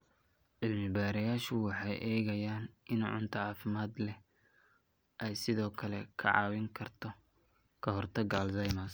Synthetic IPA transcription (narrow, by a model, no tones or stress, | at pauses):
ʕɪlmɪbaːɾɐjaːʃʊwɑħɑjʔɛːɣɐjaːnʔɪnʕʊ̰nt̪ʰɐʕɑːfɪmaːd̪lɛ | ʔɛjsɪðɔːkʰɐlɛ̰kʰɐ̰ʕɑ̰ːwɪŋkʰɐrt̪ʰɔ | kʰɐɦɔrt̪ʰɐɡaːlzɐjmɐs